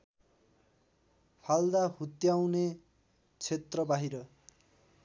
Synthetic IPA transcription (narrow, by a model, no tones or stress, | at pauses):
pʰald̪aɦut̪jawne | t͡sʰet̪rʌbaɦiɾʌ